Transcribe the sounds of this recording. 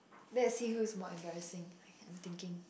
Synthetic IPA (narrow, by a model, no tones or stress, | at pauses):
lɛsihusmɔɛ̃mbɛɹɪsɪ̃ŋaɪãɪ̃mt̪ɪ̃ŋkɪ̃ŋ